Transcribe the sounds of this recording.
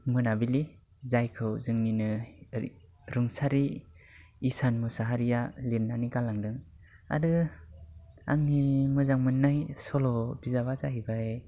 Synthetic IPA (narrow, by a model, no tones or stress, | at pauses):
mɯnabili | zajkʰɯwzɯŋninɯ | ɾɯŋsaɾiː | sanmɯsaɦaɾijaliɾnːanikalaŋdɯŋ | a̰dɯ | a̰ŋnimɯzaŋmɯnːajsɔlɔbizaβazaɦibae